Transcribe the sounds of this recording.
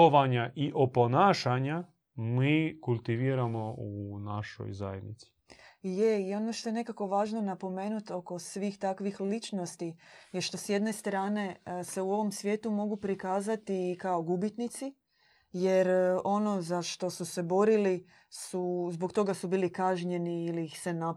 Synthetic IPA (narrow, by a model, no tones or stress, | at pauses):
oʋaɲaʔiʔoponaːʃaɲa | miːkulˠt̪iʋiːɾamounaʃo̰jza̰jḛd̪nit̪si̥je̞io̞no̞ʃt̪o̞je̞ne̞kako̞ʋaːʒno̞napo̞me̞ːnut̪o̞ko̞sʋiːxt̪akʋixlit͡ʃno̞st̪ijeʃt̪o̞sje̞d̪ne̞st̪ɾaːne̞se̞uo̞ʋo̞msʋje̞ːt̪umo̞ɡupɾikaːzat̪ikaoɡubit̪nit̪si | je̞ɾo̞no̞zaʃt̪o̞suse̞bo̞ɾili | suzbo̞kt̪o̞ɡasubiːlikaʒɲe̞niːliːxse̞na